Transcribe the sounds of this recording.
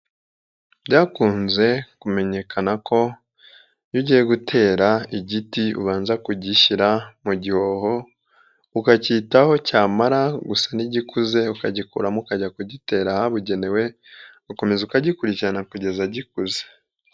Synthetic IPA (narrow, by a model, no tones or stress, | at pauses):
bɟaːkuːnze̞kume̞ɲe̞kʰanako̞ | juɟijeɡutʰe̞ːɾaiɟitiṵβaːnzakuɟiʃiɾamuɟiho̞ho | ukacitaho̞caːmaɾaɡusaniɟikuze̞ukaɟikṵɾamukaɟakuɟite̞ːɾahaβuɟe̞ne̞we̞ | uko̞me̞zukaɟikuɾiciɾanakuɟe̞zaɟikuze̥